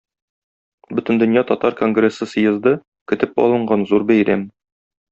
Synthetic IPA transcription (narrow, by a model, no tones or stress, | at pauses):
bɵt̪ɘ̆nd̪ɵ̆njɑt̪ɒt̪ɑɾkoŋɡrʲesɤsɤ̆jɤ̆zd̪ɤ | kɵ̆t̪ɘpɒ̰lˠɤ̆ɴɢɑnzuɾbæjɾæm